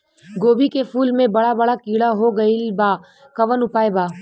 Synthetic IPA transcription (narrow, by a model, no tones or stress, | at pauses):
ɡoːbikefuːlmẽbɐɽabɐɽakiːɽaɦoɡɐilbaː | kɐʋənʊpaːebaː